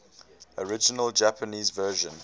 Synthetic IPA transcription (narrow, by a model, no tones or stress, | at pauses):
ɔɹɪd͡ʒɪnəld͡ʒæpʰəniːzvɜːʒə̃n